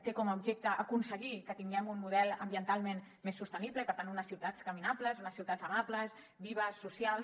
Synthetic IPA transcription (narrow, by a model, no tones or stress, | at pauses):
t̪ekɔməubʒek̚t̪əʔːkunsəɣikət̪iŋɡɛmunmuðɛlˠəmbiənt̪alˠmẽn | mesːust̪ənibləipəɾt̪anunəsiwt̪at͡skəminapləzunəsiwt̪ad͡zəmapləz | biβ̞əsːusjalˠs